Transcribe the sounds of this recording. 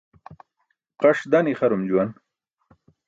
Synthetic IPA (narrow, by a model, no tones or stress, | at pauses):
qaʂd̪aniχaɾomd͡ʑuwan